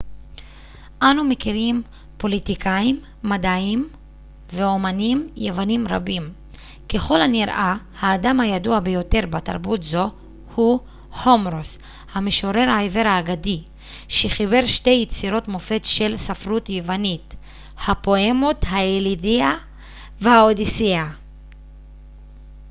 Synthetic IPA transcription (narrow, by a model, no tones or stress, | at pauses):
ʔanumekiʁim | po̞litikʰaimːadaim | veo̞manimjevanimʁa̰bim | ke̞χo̞lhaniʁʔa | haːdamhajaduabejo̞te̞ʁbata̰ʁbutzo̞ | hu | ho̞mɾos | hameʃo̞ɾe̞ʁajve̞ʁaːɡadi | ʃeχibe̞ʁʃtejit͡siɾo̞tmofe̞tʃelsafʁutjevanit | hapo̞emothaelidia | vehaodisia